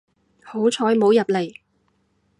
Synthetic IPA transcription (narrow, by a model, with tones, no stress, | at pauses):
ho˨˥wt͡ʃʰɔː˨˥jmo˨˧wjɐ˨p̚le˨˩j